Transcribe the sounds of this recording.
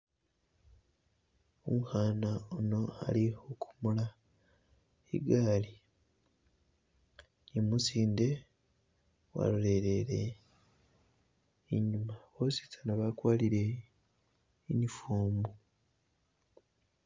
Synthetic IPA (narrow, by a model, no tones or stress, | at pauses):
omuhaːnaono̞a̰liokʰu̥mula | ḭɡaːli | nimusiːnde̞ | wa̰lule̞ɾeɾe | ɲumaβoːsi̥tanaβakwaːliɾe̞ | iɲifuːmbu